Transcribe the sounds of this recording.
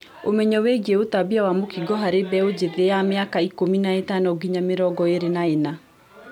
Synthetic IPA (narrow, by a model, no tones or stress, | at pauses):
omɛɲɔweɡeotabiawamokiɡɔɦaɾebɛod͡ʑeðeameakaikominaetanɔɡiɲameɾɔɡɔeɾenaena